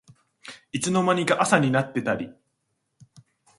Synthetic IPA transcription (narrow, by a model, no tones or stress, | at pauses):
it͡sɨno̞maɲ̟iɡaʔasaɲ̟inat̪ːe̞t̪aɾʲi